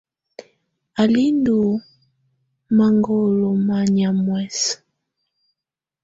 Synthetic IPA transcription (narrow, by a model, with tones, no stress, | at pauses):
a˨li˦ndu˨ | ma˦ŋɡɔ˦˨lɔ˨ma˦ɲa˨mwɛ˦˨s